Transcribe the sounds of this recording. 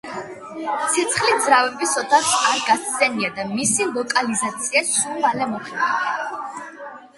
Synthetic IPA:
t̪sʰɛt̪sʰχlid̪zɾavɛbisɔt̪ʰaχaɾɡast̪sɛniad̪amisilˠɔkʼalizat̪sʰiassulalɛmɔχʰʼɛa

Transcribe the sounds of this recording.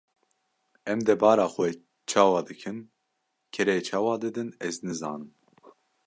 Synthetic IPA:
ɛmd̪ɛbɑːɾɑːxwɛ | t͡ʃʰɑːwɑːd̪ɨkʰɨn | kʰɛɾɛt͡ʃʰɑːwɑːd̪ɨd̪ɨnɛznɨzɑ̰ːnɨm

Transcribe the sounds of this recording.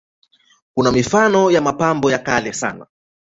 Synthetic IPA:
kunamifanɔjamapambɔjakalɛsa̰na̰

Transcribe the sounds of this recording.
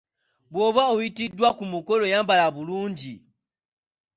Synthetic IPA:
boβauitidwakumukolojambalaβuluːɲɟi

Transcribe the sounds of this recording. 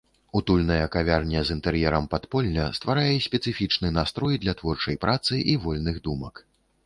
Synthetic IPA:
ut̪ulʲnɐjɐkavʲarnʲɐzint̪ɛɾjɛɾɐmpat̪pɔlʲnʲɐst̪vaɾajɛsʲpʲɛt̪sɨfʲit͡ʂnɨnast̪ɾɔjd̪lʲɐt̪vɔrt͡ʂɐjpɾʔat̪sɨʔivɔlʲnɨɣd̪umɐk

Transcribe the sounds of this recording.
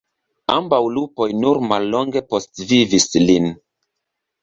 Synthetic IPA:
ambawlupo̞jnuɾmalːo̞ŋɡe̞po̞stvivislin

